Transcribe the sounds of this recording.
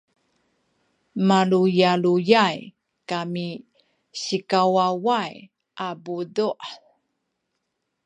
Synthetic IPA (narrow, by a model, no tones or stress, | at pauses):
malujalujaj | kami | ɕikawawaj | ʔabuduʔ